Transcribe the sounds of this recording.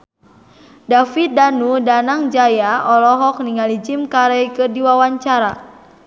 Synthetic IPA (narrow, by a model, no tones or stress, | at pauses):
dafit̪̚danudanaŋd͡ʒajaɔlɔɦɔk̚niŋalid͡ʒimkaɾɛjkɨrdiwawaɲt͡ʃaɾa